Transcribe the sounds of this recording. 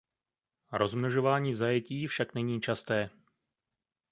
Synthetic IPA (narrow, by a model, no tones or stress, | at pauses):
ɾozmnoʒo̞vaːɲiːvzajɛciːfʃaknɛɲiːt͡ʃast̪ɛː